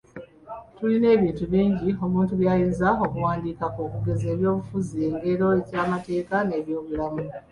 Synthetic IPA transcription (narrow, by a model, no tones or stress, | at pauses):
tuline̞ːβiːntuβiːɲɟio̞muːntuβjaːjiːnzao̞kuwaːndiːkakukuɡe̞ze̞ːβjo̞ːβufuzieŋɡe̞ɾo̞ecaːmate̞ːkane̞ːβjo̞ːβulamu